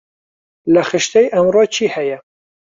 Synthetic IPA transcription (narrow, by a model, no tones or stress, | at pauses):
læxɨʃt̪ɛjʔɛmrot͡ʃʰiːhɛjɛ